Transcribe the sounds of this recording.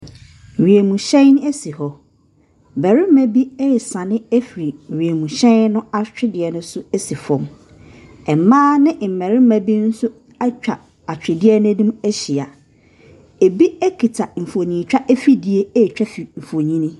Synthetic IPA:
ɥi˨e˨mũ˨ɕɛ̃˦n˦n˦æ˦si˨hɔ˦˨ | bɛ˨ɾɪ˦mæ˦bi˦ɛ˦˨sã˨nɪ̃˦ɛ˦fi˨ɾi˨ɥi˨e˨mũ˨ɕɛ̃˦nʊ̃˦a˦t͡ɕᶣɪ˦dɪ˨ɛ˨nʊ̃˦sʊ˦ɛ˦si˨fɔ̃˨m | ɛ˨mãː˦nɪ̃˦m̩˨mɛ˨ɾɪ˦mæ˨bi˦n̩˦sʊ˦ | a˦t͡ɕᶣa̰˨ | a˨t͡ɕᶣɪ˨dɪ˦ɛ˦nʊ̃˦nũ˦mæ˦ɕi˨a˨ | e˨bi˦ɛ˦kʰi˨tʰa˨m̩˨fo˨ɲĩ˨t͡ɕᶣa˦ʔe˦fi˦di˨e˦e˦˨t͡ɕᶣa˦fi˨m̩˨fo˨ɲĩ˦nɪ̃˦

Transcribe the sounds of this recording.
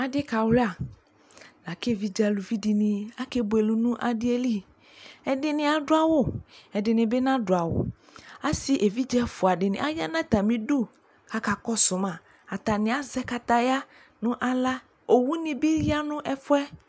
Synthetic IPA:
a˨dɪ˦ka˨wle˦a˨ | la˨ke˦˨vi˦d͡ʒɛ˦˨lu˨vi˦di˨nĩ˨˦a˦ke˦bo˨e˨lu˦nũ˦ʔa̰˨dɪ˦e˦li˦ | ɛ˨dɪ˨nɪ̃˨a˨ɖʊ˦a˦wo˦ɛ˨ɖɪ˨nɪ̃˨be˦nã˦ɖo˨a˨wo̰˨ | a˦si˦ʔe˨vi˦d͡ʒɛ˦fʊ˨a˨ɖɪ˨nɪ̰̃˨a˦ja˦nã˦t̪a˨mĩ˦du˦ | ka˦ka˨kɔ˦sʊ˨mã˨ | a˨t̪a˨nɪ̃˨a˨zɛ˦ka˨t̪a˦ja˦ | nʊ̃˦ʔa˨la˦ | o˨wu˦nɪ̃˨be˦ɾi˦a˦nʊ̃˦ʔɛ˦fʊ˦ɛ˦

